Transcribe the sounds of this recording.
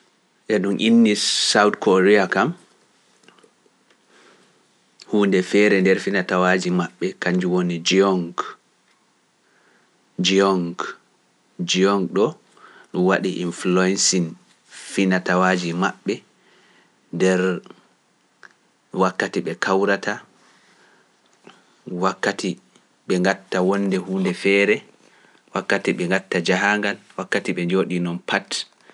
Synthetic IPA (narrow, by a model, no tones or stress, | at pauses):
ʔɛɗumʔinːisawdkɔɾɛakam | huːndɛfɛːɾɛndɛɾfinatawad͡ʒimaɓːɛkaɲd͡ʒuwonid͡ʒiɔŋɡ | d͡ʒiɔŋɡ | d͡ʒiɔŋɡɗɔ | ɗunwaɗiʔḭnflɔɛnsin | finatawaːd͡ʒimaɓːɛ | dɛɾ | wakːatiɓɛkʰawɾatʰa | wakːatʰi | ɓɛŋɡatːawɔnːdɛhuːndɛfɛːɾɛ | wakːatiɓɛŋɡatːad͡ʒaɦaŋɡalwakːatiɓɛd͡ʒoɗinɔnpʰat